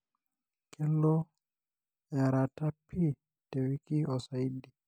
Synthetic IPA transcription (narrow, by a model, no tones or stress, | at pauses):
kʰɛlːɔ | jaɾatapʰːi | tɛwikiɔsaidi